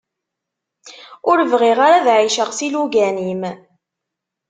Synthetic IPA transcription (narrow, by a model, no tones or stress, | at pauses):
ʊɾəvʁɪʁaɾaðʕiʃəʁsiluɡænim